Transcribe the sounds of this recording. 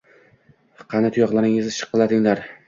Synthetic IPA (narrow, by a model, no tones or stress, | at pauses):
qʰɑnɪt̪ʰʊjɒqlˠaɾɪŋɪzʃʰɨ̥qːɨlˠad̪ɪŋlaɾ